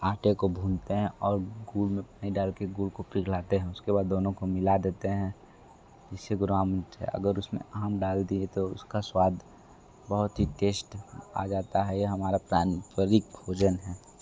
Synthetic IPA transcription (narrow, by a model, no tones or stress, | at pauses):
aːʈekobʱũːnt̪eɦɛ̃ʔɔːɾɡuːlmẽpaːiɖaːlkeɡuːlkopɾɪklaːt̪eɦɛ̃ʊskeβaːd̪ːoːnõkomɪlad̪eːt̪eɦɛ̃ | d͡ʒɪsːeɡʊɾʋaːmə̃nt̪ɦɛ̰ʔɐ̰ɡəɾʊsmḛ̃aɦəmɖaːld̪iet̪oʊskaswaːd̪ʱ | bəɦʊt̪ɦiʈeːsʈa̰d͡ʒaːt̪aɦɛjeɦɐmaːɾapɾaːnpəɾɪk̚bʱoːd͡ʒənɦɛː